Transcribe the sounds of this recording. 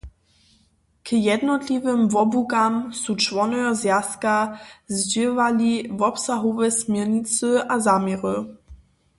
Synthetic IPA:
kəjɛd̪nɔt̪lʲivəmvɔbukamsut͡ʃvɔnɛjɔzjaskazd͡ʑevalivɔpsaɦɔvɛsmjɛʁɲit͡sɨazamʲjɛʁə

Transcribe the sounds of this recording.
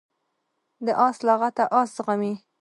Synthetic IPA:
d̪əʔɑslɑɣat̪aʔɑsɣami

